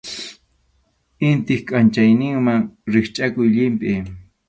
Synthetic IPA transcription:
ɪnt̪ɪxkʼant͡ʃajnɪŋmaŋɾɪχt͡ʃʼakʊjʎɪmpɪ

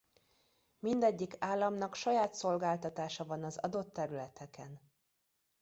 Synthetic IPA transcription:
mind̪ɛɟːikaːlːɒmnɒkʃɒjaːt̪so̞lɡaːlt̪ɒt̪aːʃɒvɒnɒzɒ̰d̪o̞t̪ːɛɾylɛt̪ɛkɛn

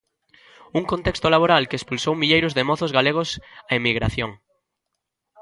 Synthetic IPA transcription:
uŋkõnt̪ekst̪olaβ̞oɾalkeːspulsowmiʎejɾʊzðemɔθʊzɣaleɣ̞ʊsaemiɣɾa̰θjoŋ

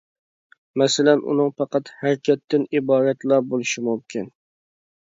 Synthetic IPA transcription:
mɛsɪlɛnʔṵnɨŋpʰɑqɑt̪hæɾkʲʰɛt̪ʰːɪnibɑːɾɛt̪lˠɑbolˠɨʃimumkʲʰin

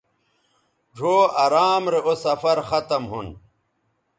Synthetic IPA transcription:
ʈ͡ʂoːɐɾaːmɾeosɐfɐɾxɐt̪ɐmɦun

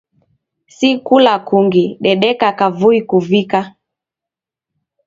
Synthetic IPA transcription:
sikulakuŋɡiɗɛɗɛkakavuikuvika

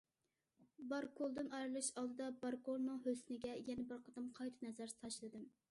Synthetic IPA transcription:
bɑɾkʰolˠd̪ɨnɑjɾɨlˠɨʃɑlˠd̪ɨd̪ɑbɑɾkʰolˠnɨŋhøsɪnɪɡʲɛjɛnɛbɪɾqʰəd̪ɨmqʰɑjt̪ʰɨ̥nɛzæɾsʰɑʃlˠɨd̪ɨm

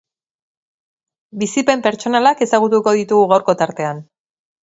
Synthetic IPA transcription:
bisipe̞mpe̞ɾt͡ʃo̞nalake̞saɣ̞ut̪̬uko̞ð̞it̪uɣuɣawɾkot̪aɾt̪e̞an

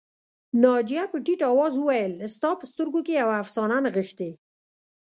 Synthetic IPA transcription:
nɑd͡ʒijapəʈiʈɑwɑzwuwajəlst̪ɑpəst̪əɾɡokejawaːfsɑnanaɣəxt̪e

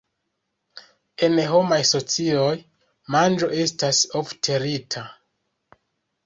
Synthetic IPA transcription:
e̞nɦo̞majso̞t͡sio̞j | mand͡ʒo̞ʔe̞stasoftʰe̞ɾitʰa

